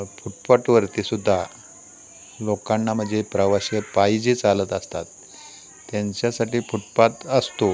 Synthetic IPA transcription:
fuʈ̚paʈʋəɾt̪isud̪ʱːa | lokanːam̤əd͡zepɾəʋaɕepajd͡ʑiːt͡salət̪əst̪at̪ː | jaɲt͡ɕjasaʈiːfuʈ̚pat̪əst̪o

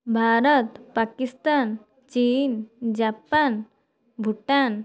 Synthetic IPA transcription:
bʱaɾət̪pakist̪an | t͡ɕind͡ʑapan | bʱuʈan

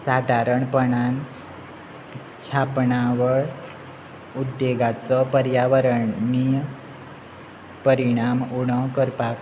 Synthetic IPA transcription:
sad̪ʱaɾəɳpəɳan | t͡ɕʰapɳaʋəɭ | ud̪jeɡat͡sɔpəɾjaʋəɾənij | pəɾiɽ̃amuɽ̃ɔkəɾpak

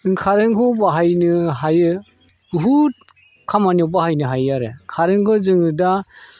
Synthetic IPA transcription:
ɯŋkʰaɾɯŋkʰɯbaɦajnɯɦajɯ | uɦut̚ | kʰamaniɔwbahajnɯɦajaɾekʰaɾɯŋkʰɯzɯŋɯda

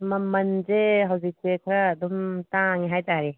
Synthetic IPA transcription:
mɐmɐnzeɦawzik̚tekʰɾɐːdumtaŋiɦajtaɾi

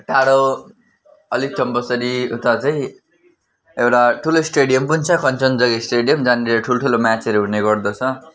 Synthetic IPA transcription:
ʈaɽo | ʌlik̚t͡sʌmpʌsʌɾiut̪at͡saj̃ | ewʈaʈʰulosʈeɽijʌmpunt͡sʰʌkʌnt͡sʌnd͡zʌɡesʈeɖijʌmd͡zaneɾeʈʰuloʈʰulomat͡sʌɾoɦuneɡʌrd̪ʌt͡sʰʌ

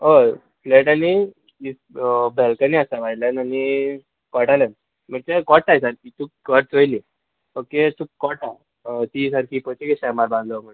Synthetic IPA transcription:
o | fleʈani | i | bɛlkəniasaʋaljanani | kɔʈalan | m̤əʈ̚t̪ekɔʈ̚ːajsaɾkit̪ʰukkəɾ̚t͡sojli | oket̪ʰuːkkːɔʈa | t̪is̬aɾkʰiːpɔt͡ɕikesamaɾbãnd̪ləmə

